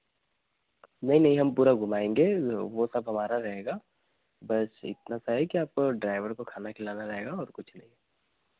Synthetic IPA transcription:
nɐɦĩnɐɦĩɦɐmpuːɾaɡʱʊmaːẽːŋɡeʋosɐbɦɐmaːɾaɾɐɦeːɡaː | bɐsɪ̰t̪̚nasaɦɛkiaːp̚koɖɾaːɪʋəɾkokʰaːnakʰɪlaːnaɾɐɦeːɡaɔːɾkʊt͡ʃʰnɐɦĩ

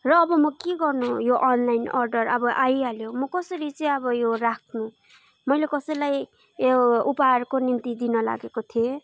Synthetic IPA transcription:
rʌːbʌmʌkeɡʌrnujoʔʌnlajnʌrɖʌrʌbʌʔajaljomʌkʌsʌɾit͡sʌj̃ʌbʌjorakʰnu | mʌjlekʌsʌjlaj | upaɦarkonint̪id̪inʌla̰ɡekot̪ʰie

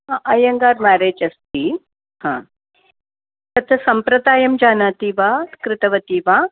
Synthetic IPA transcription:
aʔɐjɐŋɡaːɾmaːɾeːd͡ʒɐst̪i | hã̰ː | t̪ɐt̪ʰɐsɐmpɾɐd̪aːjɐmd͡ʒaːnaːt̪iːʋaːkɾɪt̪ɐʋɐt̪iːʋaː

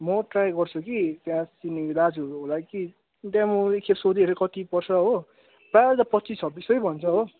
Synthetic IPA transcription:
mʌʈrajɡʌrt͡sʰukit̪jãsinid̪ad͡zuɦolaki | t̪jãmuekʰepsod̪ieɾekʌt̪ipʌrt͡sʰʌɦo | baɾt̪ʌpʌt̪ːt͡sisʰʌbːisʌjbʱʌnt͡sʰʌɦo

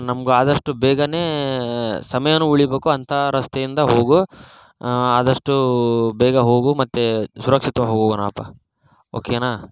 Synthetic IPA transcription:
nɐmɐɡuaːd̪ɐʂʈubɛːɡɐneː | sɐmɐjɐnːuuɭibeːkuɐnt̪ʰɐɾɐst̪ejind̪ɐɦo̞ːɡu | aːd̪ɐʂʈubɛːɡɐɦo̞ːɡumɐt̪ːesuɾɐkʂit̪ʋɐɦoːɡoɡɐnaːpːɐ | o̰ːkenaː

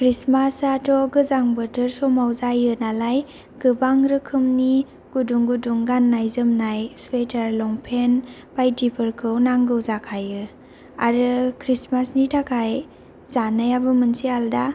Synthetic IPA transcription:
kɾismasatɔɡɯzaŋbətɯɾsɔmawzajɯnalaj | ɡ̥ɯbaŋɾɯkʰɯmni | ɡ̥uduŋɡuduŋɡanːajzɯmnajswetʰaɾlɔŋpʰenbajdipʰɯɾkʰɯwnaŋɡɯwzakʰajɯ | aɾɯkʰɾismasnitʰakʰaj | zanajabɯmɯnsialda

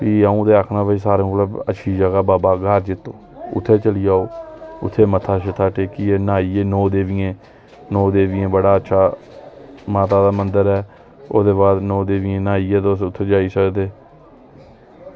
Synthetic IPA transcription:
piːaːũːd̪eːakʰnãːbəisaːɾẽmləbə̰tːʃʰiːd͡ʒəɡaːbaːbaːɡəɾd͡ʒɪt̪ːoː | ʊ̰t̪ʰːeːt͡ʃəliːaːoːʊ̰t̪ʰːeːmət̪ʰaːʃɪt̪ʰaːʈeːkiːeːnaːiːeːnɔːd̪eːʋɪjẽː | nɔːd̪eːʋɪjẽːbəɽaːətːʃʰaː | maːt̪aːd̪aːmənd̪əɾɛː | o̰ːd̪eːbaːd̪nɔːd̪eːʋɪjẽːnaːiːeːt̪osʊt̪ʰːeːd͡ʒaːiːsəkd̪eː

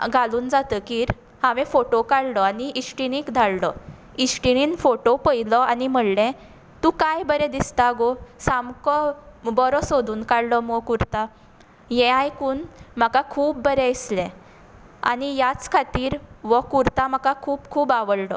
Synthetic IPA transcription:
ɡʱaluːnd͡zat̪əkiːɾ | hãʋɛ̃foʈokaɽlɔaniʔisʈiñikd̪ʱaɽlɔ | isʈiniːnfoʈopəjlɔanim̤əɽlɛ̃ | t̪ũkajbəɾɛd̪ist̪aɡosamkɔbɔɾɔsod̪ʱuːnkaɽlɔmɔkuɾt̪a | jɛ̃ajkuːnmakakʰuːbːəɾɛislɛ̃ | a̰nijat͡skʰat̪iːɾʋɔkuɾt̪am̤akakʰuːbkʰuːbaʋəɽlɔ̰

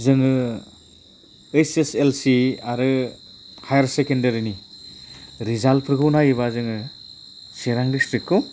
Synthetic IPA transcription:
zɯŋɯ | ejseselsiaɾɯ | hʰajaɾsekendɐɾini | ɾizalpʰɾɯkɯwnajɯβazɯŋɯ | seɾaŋdistɾit̚kʰːɯw

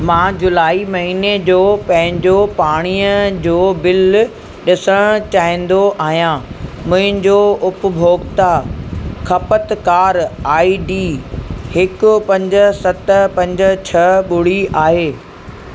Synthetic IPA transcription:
mãːd͡ʑʊlaːimɐɦiːned͡ʑoːpɐ̃ɦɪ̃ɲd͡ʑopaːɽ̃iːjəd͡ʑoːbɪl | ɗɪsəɽ̃t͡ɕaːɦĩːn̆d̪oʔaːɦijãːmʊ̃ɦɪ̃ɲd͡ʑoʊpʊ̆bʱoːɡt̪a | kʰɐpət̪kaːɾaːiɖiːhɪkʊpɐ̃ɲd͡ʑ̆sɐt̪əpɐ̃ɲd͡ʑət͡ɕʰɐɓʊɽiaːɦeː

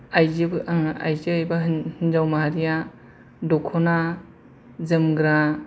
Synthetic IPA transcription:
ajza̰jziajbaɦhɯnd͡ʒawmaɦaɾija | dɔkʰɔna | zɯmɡɾa

